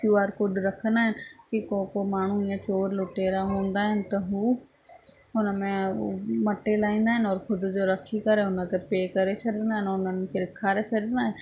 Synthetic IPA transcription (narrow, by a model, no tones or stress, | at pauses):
kjuːaːɾkʊɖɾɐkʰə̃nd̪aːɦɪnɪ̆kikokomaːɳ̤uiãt͡ɕoːɾlʊʈeːɾaɦõːnd̪aːɦɪnɪ̆t̪ɐɦuː | ʊnəmẽmɐʈːelaːĩːnd̪aːɦɪnɔːɾkʰʊd̪ʊd͡ʑoɾɐkʰikɐɾeʊnət̪epeːkɐɾesʰɐɾənd̪aːɦɪnʊnənɪ̆kʰeɾɪkʰːaːɾesʰɐɽə̃nd̪aːɦɪnɪ̆